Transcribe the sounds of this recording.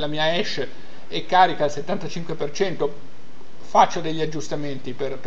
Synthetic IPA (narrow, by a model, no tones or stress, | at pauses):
lamiːaɛʃ | ekːaːɾikaːlset̪ːant̪at͡ʃiŋkwepert͡ʃɛnt̪o | fat͡ʃːod̪eʎːiad͡ʒːust̪ament̪iperp